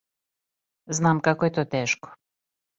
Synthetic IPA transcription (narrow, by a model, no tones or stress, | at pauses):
znamkakoet̪ot̪eʃko̥